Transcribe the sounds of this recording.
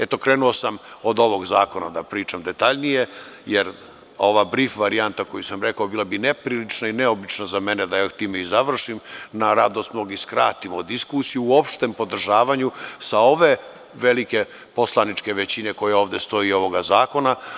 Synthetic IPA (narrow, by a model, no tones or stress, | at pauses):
e̞t̪o̞kɾe̞ːnuo̞samo̞d̪o̞ʋo̞ɡzaːko̞nad̪apɾiːt͡ʃamd̪e̞t̪aʎnije̞ | jeɾ | o̞ʋabɾifʋaɾiant̪ako̞jusamɾe̞kaobiːlˠabine̞pɾiːlit͡ʃnaineo̞bit͡ʃnazamened̪ajot̪iːmeizaʋr̩ʃimnaɾad̪ost̪mnoɡiskɾa̰ːt̪imod̪iskusijuːo̞pʃt̪empo̞d̪r̩ʒaːʋaɲusao̞ʋe | ʋe̞like̞ | po̞slˠanit͡ʃke̞ʋet͡ɕine̞ko̞jeo̞ːʋd̪e̞st̪o̞io̞ʋo̞ɡazaːko̞na